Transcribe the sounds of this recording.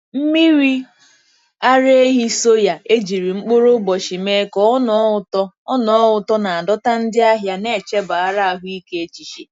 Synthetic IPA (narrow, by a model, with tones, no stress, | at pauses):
m̩˦mi˦ɾi˦ | a˦ɾe˦e˦ɦi˦so˦ja˨e˦d͡ʒi˨ɾi˨ŋ͡m̩˦k͡po˦ɾo˦bɔ˨ʃi˨me˦kɔ˦nɔ˨˦ʊ˦tɔ˦ | ɔ˦nɔ˨˦ʊ˨tɔ˦na˨a˨dɔ˦ta˦n̩˦dɪ˦a˦ɦja˦ne˦˨t͡ʃe˦ba˨a˦ɾa˦˨ɦʊ˦i˦ke˦e˦t͡ʃi˨ʃi˨